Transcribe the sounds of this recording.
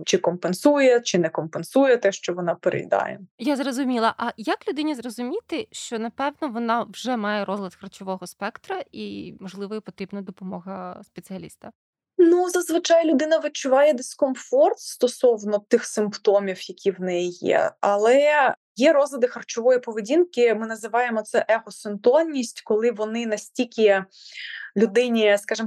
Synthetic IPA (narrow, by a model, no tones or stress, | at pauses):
t͡ʃɪkɔmpensujɛt͡ʃɪnɛkɔmpensujɛt̪ɛʃt͡ʃɔʋɔnɑpeɾḛjd̪ɑ̰jɛ̰jazrɔzʊmʲilˠɐʔɐjɐklʲʊd̪ɪnʲizrɔzʊmʲit̪ɪʃt͡ʃɔnɐpɛwnɔʋɔnɑʋʒɛmɑjɛɾɔzlʲˠɐd̪xɐrt͡ʃɔʋɔɦɔspɛkt̪ɾɐimɔʒlˠɪʋɔipɔt̪ɾʲibnɐd̪ɔpɔmɔɦɐspet͡sʲɨɐlʲḭst̪ɐ | nuzɐzʋɨt͡ʃɑjlʲʊd̪ɪnɐʋɪt͡ʃʊʋɑjɛd̪eskɔmfɔrt̪st̪ɔsɔwnɔt̪ɪxsɪmpt̪ɔmʲiwjɐkʲiwnɛjijɛ̰ɐlˠɛ | jɛɾɔzlʲˠɐd̪ɪxɐrt͡ʃɔʋɔjipɔʋedʲinkɪmɪnɐzɪʋɑjemɔt̪sɛʔɛxɔsɪnt̪ɔnʲːisʲtʲkɔlˠɪʋɔnɪnɐsʲtʲikʲɪ | lʲʊd̪ɪnʲiskɑʒɪm